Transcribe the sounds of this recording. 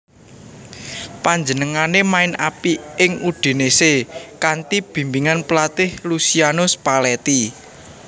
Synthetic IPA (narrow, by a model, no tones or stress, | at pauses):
paɲd͡ʒənəŋanemaɪnapiʔɪŋuɖ̥e̤nesekant̪ib̥i̤mbiŋanpəlat̪ɪhlusianʊspalɛt̪i